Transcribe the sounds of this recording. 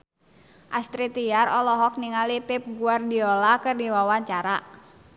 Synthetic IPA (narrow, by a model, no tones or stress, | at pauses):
ʔast̪ɾit̪iarɔlɔɦɔk̚niŋalipip̚ɡuardiɔlakɨrdiwawaɲt͡ʃaɾa